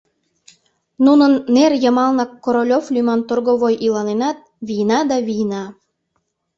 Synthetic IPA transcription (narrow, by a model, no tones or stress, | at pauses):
nunənːerjəmɑlnɑkːoɾolʲoflʲymɑnt̪orɣoβojʔilɑnenɑt̪̚ | βijnɑd̪ɑβijnɑ